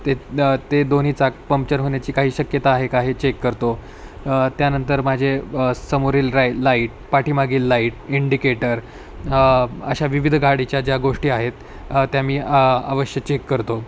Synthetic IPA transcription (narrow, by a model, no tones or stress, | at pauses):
t̪et̪ed̪on̤it͡sapəmpt͡ɕənɦoɳjat͡ɕiːkaɦiːɕəkjət̪aːɦekaɦit͡ɕekːəɾt̪o | t̪janənt̪əɾmad͡ʑʱesəmoɾiːlɾalaiʈ̚ | paʈiːmaɡiːlːaiʈ̚iɳɖikeʈəɾ | ə̰ɕaʋiʋid̪ʱɡʱaɽit͡ɕjad͡ʑjaɡoʂʈiːaɦet̪ | t̪ːjamiːa̰ʋəɕjət͡ɕekːəɾt̪o